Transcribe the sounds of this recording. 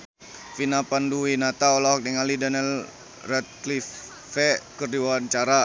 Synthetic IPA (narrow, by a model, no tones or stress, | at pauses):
finapanduwinat̪aɔlaɦɔk̚diŋalidanɛl | rɛt̪̚klif | fɛkərdiwaant͡ʃaɾa